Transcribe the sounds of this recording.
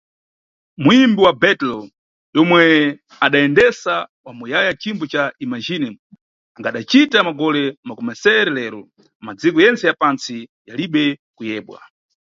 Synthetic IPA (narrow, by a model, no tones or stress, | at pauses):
muimbiwabɛtlɔ | jɔmwɛ | aɗaɛndɛsawamujajat͡ʃimbɔt͡ʃaimaʒinɛm | aŋɡaɗat͡ʃitamaɡɔlɛmakɔmɛsɛɾɛlɛːɾɔ | mad͡zikɔjɛnt͡sɛjapant͡sijaliɓɛkujɛːɓwa̰